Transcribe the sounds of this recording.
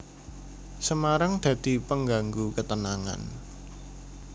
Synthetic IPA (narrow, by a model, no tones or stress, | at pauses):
səmaɾaŋd̪̥ä̤d̪̥i̤pəŋɡaŋɡukət̪ənaŋa̰n